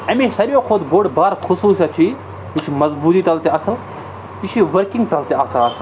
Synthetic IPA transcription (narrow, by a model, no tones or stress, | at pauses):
ɐmisɐɾjoːkʰoːd̪boːɖbaːɾxʰʊsuːsjat͡ʃʰi | jut͡ʃʰmɐzbuːt̪iːt̪ɐlt̪eɐsɐl | iʃʰiʋɐɾkĩŋɡt̪ɐlt̪eaːsaɐsl